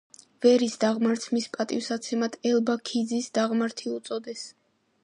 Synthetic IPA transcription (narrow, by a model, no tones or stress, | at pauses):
vɛɾisd̪aʁmaɾt̪sʰmispʼat̪ʼifsat̪sʰɛmad̪ʰɛlbakʰid̪zisd̪aʁmaɾt̪ʰiut̪sʼɔd̪ɛs